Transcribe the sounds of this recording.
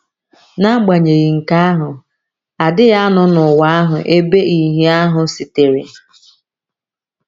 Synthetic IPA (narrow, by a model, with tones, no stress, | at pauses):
na˦ɡ͡ba˨ɲe˨ɣi˨ŋ̩˨ka˦a˦ɦʊ˨ | a˨dɪ˦ɣa˦a˦nʊ˦nʊ˨wa˦a˦ɦʊ̰˨ʔe˦be˦i˨ɦi˦a˦ɦʊ˨si˨te˨ɾḛ˨